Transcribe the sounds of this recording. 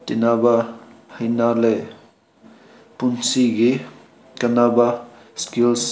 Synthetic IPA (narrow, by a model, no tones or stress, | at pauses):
tenabahɐjnale | punsiɡi | kanaba | skils